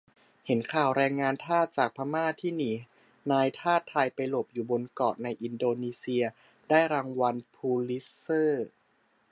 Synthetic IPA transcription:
he˩˦nkʰaː˨˩wɾɛː˧ŋːaː˧nt̪ʰaː˥˩t̪̚t͡ɕaː˨˩k̚pʰa˧maː˥˩t̪ʰiː˥˩niː˩˦ | naː˧jt̪ʰaː˥˩t̪ʰːaː˧jpa˧jlo˨˩p̚juː˨˩bo˧nkɔː˨˩t̪̚na˧jʔi˧ndoː˧niː˧si˧ɐ | daː˥˩jɾaː˧ŋwa˧npʰuː˧li˦˥ɤː˥˩

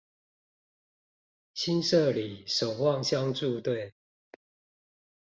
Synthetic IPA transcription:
ɕʰi˦nʂə˥˨li˨˩˦ʂo˨˩ʊwɑ˥˨ŋɕjɑ˦ŋʈ͡ʂu˥˧t̪we˥˨ɪ

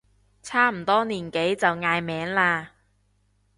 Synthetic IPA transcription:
t͡sʰaː˥m̩˨˩t̪ɔː˥niː˨˩nke˨˥jt͡sɐ˨wŋaː˧jmɛː˨˥ŋlaː˧

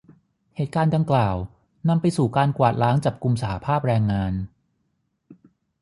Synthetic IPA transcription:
heː˨˩t̪̚kaː˧nda˧ŋklaː˨˩w | na˧mpa˧jsuː˨˩kaː˧nkwaː˨˩t̪̚laː˦˥ŋt͡ɕa˨˩p̚ku˧msa˧ha˧pʰaː˥˩p̚ɾɛː˧ŋːaː˧n

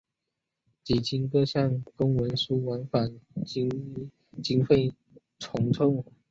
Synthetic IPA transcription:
t͡ɕi˨˩t͡ɕʰi˧˥nkɤ˥˧ɕjɑ˥˩ŋkʊ˥ŋwə˧˥nsu˥wa˧˥nfa˨˩ni˥ | t͡ɕi˥ŋfe˥˩ɪ | ʈ͡ʂʰʊ˧˥ŋʈ͡ʂʰʊ˥˧ŋ

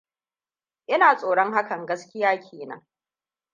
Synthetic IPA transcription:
ʔɪ˦naː˨sʼoː˨ɽɔ˦ŋɦa˦kɐ˨ŋɡɐ˦skʲɪ˦jaː˦kʲʰeː˨nɐ̰˦ŋ

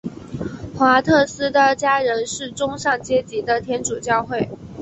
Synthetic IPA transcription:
xwa˧˥t̪ʰɤ˥˩sɹ̩˥d̪ə˨t͡ɕja˥ɻə˧˥nʂɻ̩˥˩ʈ͡ʂʊ˥ŋʂɑ˥˩ŋt͡ɕjɛ˥t͡ɕi˧˥d̪ə˧t̪ʰjɛ˥nʈ͡ʂu˨˩t͡ɕjɑ˥˧ʊxwe˥˩ɪ

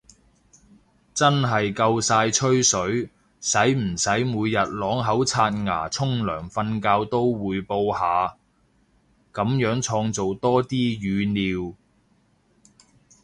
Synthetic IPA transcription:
t͡sɐ˥nɦɐ˨jkɐ˧wsaː˧jt͡ʃʰɵ˥ɥsɵ˨˥ɥ | sɐ˨˥jm̩˨˩sɐ˨˥jmuː˨˧jjɐ˨t̚lɔː˨˥ŋɦɐ˨˥wt͡sʰaː˧t̚ŋa̰ː˨˩t͡sʰʊ˥ŋlœ̰ː˨˩ŋfɐ˧nkaː˧wt̪o˥wwuː˨˧jpo˧whaː˨˧ | kɐ˨˥mjœː˨˥ŋt͡ʃʰɔː˧ŋt͡so˨wt̪ɔː˥t̪iː˥jyː˨˧niː˨˧w

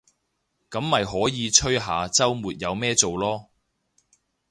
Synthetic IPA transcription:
kɐ˨˥mːɐ˨jɦɔː˨˥jiː˨˧t͡ʃʰɵ˥ɥɦaː˨˧t͡sɐ˥wmuː˨t̚jɐ˨˧wmɛː˥t͡so˨wlɔː˥

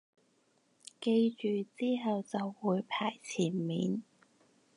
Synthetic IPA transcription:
ke˧jt͡ʃyː˨t͡siː˥ɦɐ˨wt͡sɐ˨wːuː˨˧˥jpʰaː˨˩jt͡sʰiː˨˩nmḭː˨˥n

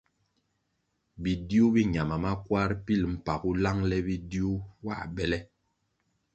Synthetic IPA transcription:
bi˨di˦u˦bi˦ɲa˨ma˨ma˦kwa˦ɾpi˦˨lm̩˨pa˨ku˦la˦ŋlɛ˦bi˦di˦u˦wa̰˦˨bɛ˦lɛ˦

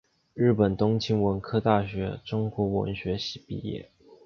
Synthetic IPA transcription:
ɻɻ̩˥˩pə˨˩nt̪ʊ˥ŋt͡ɕʰi˥ŋwə˧˥nkʰɤ˥t̪a˥˩ɕɥɛ˧˥ʈ͡ʂʊ˥ŋkwɔ˧˥wə̰˧˥nɕɥɛ˧˥ɕi˨˩pḭ˥˩jɛ̰˥˩

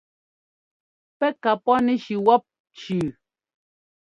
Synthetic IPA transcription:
pɛ˦ka˨pɔ˦nɛ˨ʃi˨wɔ˦p̚ | t͡ʃʉː˨

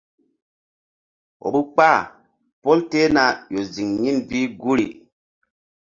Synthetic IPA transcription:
o̰˨bu˦k͡pa˦˨ | po˦lte˦na˨jo˨zi˨ŋɲi˦nbi˦ɡu˦ɾḭ˨

